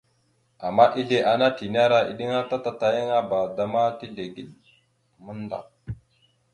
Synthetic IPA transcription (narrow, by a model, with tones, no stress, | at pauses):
a˨mːa˦ʔi˦ɮe˨ʔa˨na˦ti˨n˦a˦ɾa˦ḭ˨ɗi˦ŋa˦ta˦ta˦ta˨ji˦ŋa˦ba˨da˦ma˦ti˦ɮe˨ɡi˦ɗ | mə˦n˦da̰˨